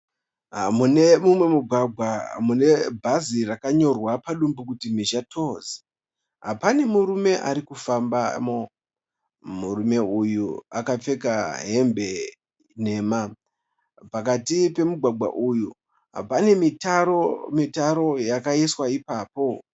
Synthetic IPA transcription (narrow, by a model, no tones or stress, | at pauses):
munemumwe̞muɡʱwaɡʱwamune̞bʱazirakaɲo̞rwapaɗumbukutimiʃatʰo̞ze̥ | ɦa̰pane̞muɾume̞ʔa̰ɾikufambamo | muɾume̞ujua̰kap͡fe̞kaɦe̞mbʱe̞ | ne̞ːma | pakatipe̞muɡʱwaɡʱwa̰ʔuju | ɦa̰pane̞mitaomitaɾo̞jakaiswaipaːpo̞